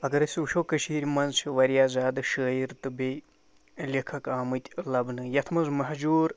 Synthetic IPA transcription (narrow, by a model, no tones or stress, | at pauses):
ɐɡɐɾɐsʲuʃoːkɐʃiːɾʲmɐnzsiʋɐɾjaːzaːd̪ɨʃəːjiɾt̪ɨbe | lʲikʰɐkaːmɨt̪ʲlɐbnɨjɐt̪ʰmɐzmɐɦd͡ʒuːɾ